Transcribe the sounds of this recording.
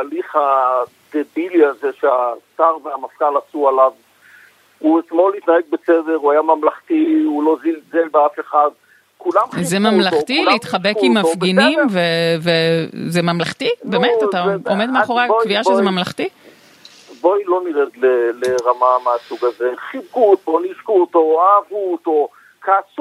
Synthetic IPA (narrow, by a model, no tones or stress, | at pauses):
aliχha | d̪̥ebiliazeʃeasaʁveamafkalasualav | uetmolit̪naeɡ̚bet͡seveʁuajamamlaχt̪iulo̞zilzelbeafeχad̪ | kulamzemamlaχtileit̪χabekimːafɡinimvevezemamlaχt̪ibemetataomed̪meaχoʁeakviaʃezemamlaχti | bojilo̞niʁedleleʁamameasuɡazeχibkut̪oniʃkuːt̪oaːvut̪o | kʰas